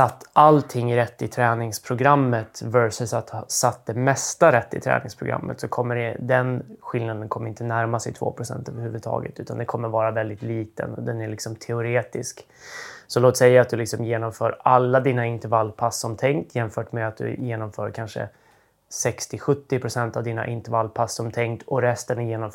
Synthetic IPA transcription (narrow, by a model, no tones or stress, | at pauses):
sat̪ːalt̪ʰɪŋːɾɛt̪ːɪt̪ʰɾɛːnɪŋspʰɾʊɡɾamːət̪væɾsɵsat̪sat̪̚d̪ɛmɛst̪aɾɛt̪ːɪ̰t̪ʰɾɛ̰ːnɪŋspʰɾʊɡɾa̰mːə̰t̪sɔkʰɔmːəɖɛd̪ɛnɧɪlnad̪ənkʰɔmːəɾɪnt̪ənæɾmasɛjt̪ʰvo̰ːpʰɾʊsɛ̰nt̪ø̰ːvəɾhʉ̟ːvəd̪t̪ʰɑ̰ːɡə̰t̪ʉ̟ːt̪a̰nd̪ɛkʰɔmːəɾvɑːɾavɛld̪ɪt̪liːt̪ə̰nɔ̰d̪ɛnæɭɪksɔmt̪ʰɛʊɾeːt̪ɪsk | sɔloːt̪sɛjːaːt̪̚d̪ɵlɪksɔmjeːnɔmfœːɾalːad̪iːnaɪnt̪ɛɾvalːpʰasːɔmt̪ʰɛŋkt̪ʰjɛnfœːʈmeːd̪at̪̚d̪ɵ̰jeːnɔmfœːɾkʰanʂə̰ | sɛkst̪ɪɧɵt̪ːɪpʰɾʊsɛnt̪avd̪iːna̰ʔɪnt̪ɛɾvalpʰasːɔmt̪ʰɛŋkt̪ʰɔɾɛst̪ənjeːnɔm